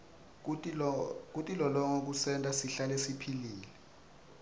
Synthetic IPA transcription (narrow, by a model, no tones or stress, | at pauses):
k̬utʼilɔlɔŋok̬usɛntʼasiɬalesipʰiliːlɛ